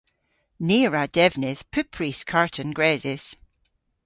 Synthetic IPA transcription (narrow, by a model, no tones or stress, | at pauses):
niɹad̥ɛvnɪð̥pʰʉpʰɹiskʰaɹʔə̃nɡɹɛzɪz̥